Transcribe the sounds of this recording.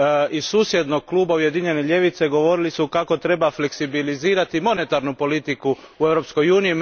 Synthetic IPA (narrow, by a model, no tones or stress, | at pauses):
isuːsje̞d̪no̞ɡ̚klˠuːbauje̞d̪iɲe̞neʎe̞ʋit̪se̞ɡo̞ʋo̞ɾilisukako̞t̪ɾe̞bafle̞ksibiliziːɾat̪imo̞ne̞t̪aɾnupo̞lit̪iku | ue̞ʋɾo̞psko̞juːniji